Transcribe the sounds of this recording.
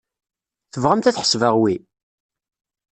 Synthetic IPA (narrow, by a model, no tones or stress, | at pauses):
θəvʁamt̪æθħə̥svəʁwi